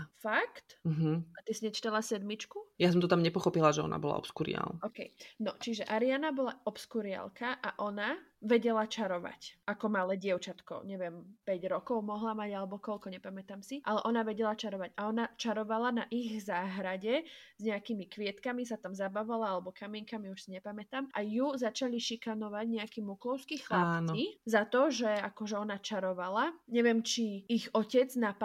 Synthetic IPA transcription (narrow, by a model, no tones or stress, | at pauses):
fakt̪m̩ɦ̩at̪isiɲɛt͡ʃi̥t̪alasɛd̪mit͡ʃkujas̬ɔmt̪ɔt̪amɲɛpɔxɔpilaʒɛɔ̰na̰bɔla̰ɔ̰pskuɾḭa̰lɔkɛjnɔt͡ʃiʒɛʔaɾianabɔlaɔpskuɾɪa̰lkaʔaʔɔnaʋɛɟɛlat͡ʃaɾɔʋa̰cʔakɔmalɛɟɪɛʊt͡ʃat̪kɔ̰ʊɲɛʋɛmpɛɟɾɔkɔʊmɔɦlamaɟalɛbɔkɔʎkɔɲɛpamɛt̪amsiʔalɛʔɔnaʋɛɟɛlat͡ʃaɾɔʋaɟaɔnat͡ʃaɾɔʋalanaʔiɣzaːɦɾaɟɛz̥ɲɛakimikʋɪɛt̪kamisat̪amzabaʋalaalɛbɔkʰamiɛŋkamiuʃsiɲɛpamɛt̪amʔajuzat͡ʃaliʃikanɔʋaɟɲɛakimukɔʊskixlapːkizat̪ɔʒɛakɔʒɛɔnat͡ʃaɾɔʋalaɲɛʋɛmt͡ʃiiɣɔcɛd͡znap